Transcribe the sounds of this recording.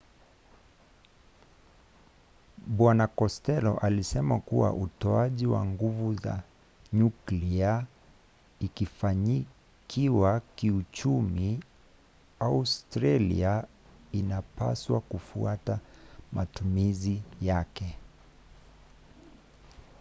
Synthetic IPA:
ɓwanakɔstɛlɔ̰ʔalisɛmakuwa̰ʔutɔaʄiwa̰ŋɡuvuza̰ | ɲuklia | ikifaɲi | kʰiwakiut͡ʃumi | austɾalḭa | inapa̰swakufuatamatumizijakɛ

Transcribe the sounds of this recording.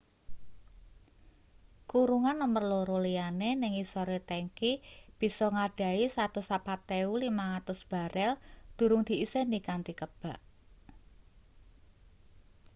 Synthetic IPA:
kuɾuŋanəmərloɾolianenɪŋisɔɾet̪eŋkib̥i̤sɔŋaɖ̥ä̤isat̪ʊsapat̪ːeulimaŋat̪ʊsb̥a̤ɾʔɛld̪̥ṳɾʊŋd̪̥i̤isenikant̪ikəb̥a̤ʔ

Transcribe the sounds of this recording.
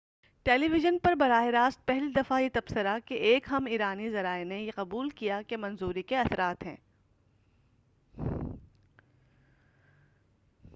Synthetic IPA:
ʈɛːliʋɪʒənpɐɾbɐɾaːeɾaːst̪̚pɛɦlid̪ɐfajet̪ɐbsəɾakeʔeːkɦɐmiːɾaːnizɐɾaːenejeqɐbuːlkijakemɐ̃nzuːɾikeɐsɾaːt̪ɦɛ̰̃ː

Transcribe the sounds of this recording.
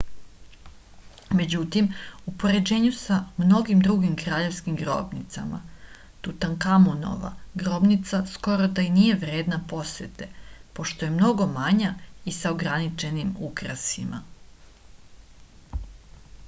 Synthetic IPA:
me̞d͡ʑut̪imupo̞ɾe̞d͡ʑe̞ːɲusamno̞ɡimd̪ɾuɡimkɾaːʎe̞ʋskimɡɾo̰bnit̪sa̰ma̰ | t̪ut̪aŋkamuno̰ʋa̰ɡɾo̞bnit̪sasko̞ɾod̪ainije̞ʋɾe̞ːd̪napo̞sʋet̪epo̞ʃt̪o̞je̞mno̞ɡo̞maɲaisaoɡɾanit͡ʃe̞nimukɾasima̰

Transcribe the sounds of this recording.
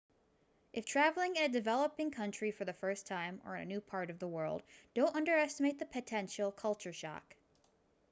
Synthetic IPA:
ʔɨftʰɹ̥ævl̩ˠɪ̃ŋɨɨdɨvɛlˠəpɪ̃ŋkʰʌ̃nt͡ʃɹ̥ifə˞ðɨfɜ˞stʰãɪ̃mə̰˞ɨ̰nʉpʰɑɹɾʌvðəwɜ˞lˠd̚d̥õʊ̃ntʌ̃ndə˞ɛstəmeɪt̪̚ðɨpʰɨtʰɛ̃nʃl̩ˠkʰʌlˠt͡ʃə˞ʃɑ̰k

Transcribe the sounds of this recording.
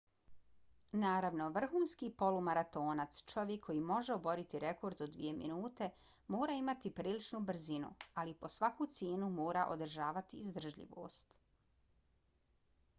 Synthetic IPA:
naːɾaʋno̞ʋr̩xuːnskiːpo̞lumaɾat̪o̞ːnat̪st͡ʃo̞ʋjekʰːo̞jimo̞ʒeobo̞ɾit̪iɾe̞ko̞ɾd̪od̪ʋḭe̞mḭnuːt̪e̞ | mo̞ːɾaimat̪ipɾiːlit͡ʃnubr̩zinṵalipo̞sʋakut̪sjeːnumoːɾaʔo̞̰d̪r̩ʒaːʋat̪iːzd̪r̩ʒʎḭʋo̰ːst̪

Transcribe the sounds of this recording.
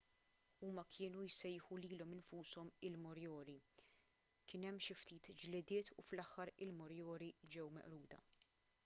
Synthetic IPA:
uːmɐkʰɪːnujsɛjħuliːlɔmɪnfuːsɔmɪlmɔɾjɔːɾi | kɪːnɛmːʃɪft̪iːt̪d͡ʒlɪd̪ɪːt̪ʰṵflɐħːɐɾɪlmɔɾjɔːɾid͡ʒɛwmɛ̰ʔɾuːd̪ɐ̰

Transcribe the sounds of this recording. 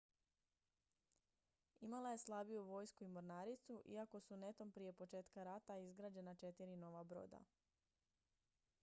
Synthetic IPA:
imalˠaje̞slˠabijuʋo̞jskuimoɾnaːɾit̪suʔḭako̞sune̞t̪o̞mpɾije̞po̞t͡ʃe̞ːt̪kaɾat̪aizɡɾaːd͡ʑe̞nat͡ʃe̞t̪iɾino̞ʋabɾo̞̰ːd̪a̰

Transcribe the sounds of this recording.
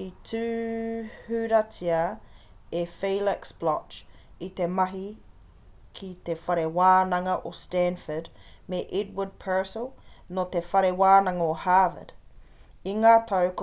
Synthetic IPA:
itʰʉː | hʉɾɐtʰiə | efeːləksb̥lɔt͡ʃ | it̪emɐɦi | kʰit̪efɐɾewaːnɐŋɐʔostænfədmeʔɛd̚wəd̚pʰɜːsəlˠnot̪efɐɾewaːnɐŋohaːvə̰d̥ | iŋaːtʰɐwk

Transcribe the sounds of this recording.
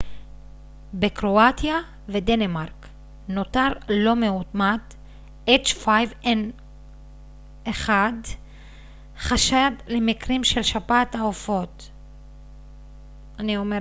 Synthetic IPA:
bekʁo̞atja | ve̞d̪enemaʁk | no̞taʁlo̞meutmat | et͡ʃfajven | eχad | χaʃad̪lemikʁimʃelʃapataofo̞t̪ | anio̞me

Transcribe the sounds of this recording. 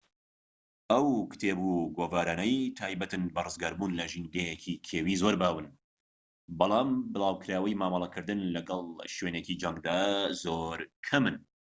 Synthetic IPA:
ʔɐwkɨ̥t̪ʰeːbuɡoːvaːɾaːnɐjt̪ʰaːjbɐt̪ɨnbɐrɨzɡaːɾbuːnlɐʒiːnɡejekʰikʰeːwiːzoːɾbaːwɨn | bɑlˠɑːmbɨlaːwkʰɨɾaːwɐjmaːmɑlˠɐkʰɨɾd̪ɨnlɐɡɐlˠʃweːnecid͡ʒɐŋɡd̪aːzoɾkʰɐmɨn

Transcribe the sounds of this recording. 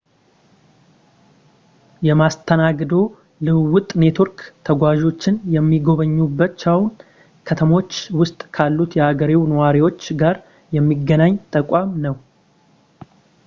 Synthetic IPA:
jɛmast̪ʰənaɡd̪o̞ | lɨwʊt̪ʼne̞t̪ʰo̞ɾkt̪ʰəɡʷaʒo̞t͡ʃːɪnjɛmːiɡo̞βəɲːubːət͡ʃawn | kʰət̪ʰəmo̞t͡ʃːwʊst̪ʼkʰalːut̪jɛaɡəɾiwnəwaɾiwo̞t͡ʃːɡaɾ | jɛmːiɡːənaɲt̪ʼəkʼamnəw

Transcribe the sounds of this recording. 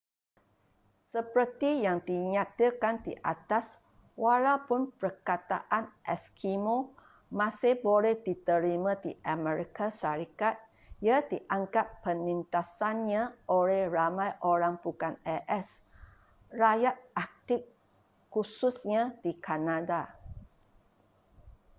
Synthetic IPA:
səpərt̪ijaŋdiɲãt̪əkandḭʔa̰t̪as | walawpʊnpərkat̪a̰ʔanʔɛskʰimo | mãsɪhbolɛhdit̪əɾimãdiʔamɛɾikaʃaɾikat̪̚ | jadiʔaŋkapːənint̪asanɲãʔolɛhramãjʔoɾaŋpukanɛʔɛs | rajat̪̚ak̚t̪ɪkː | ususɲãdikʰanada

